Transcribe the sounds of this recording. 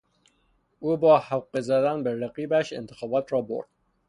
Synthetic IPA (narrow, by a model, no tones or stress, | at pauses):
uːbɒːhæwqːezæd̪ænbeɾæqiːbæʃḛnt̪ʰexɒːbɒːt̪ʰɾɒːbo̰ɾd̪̥̚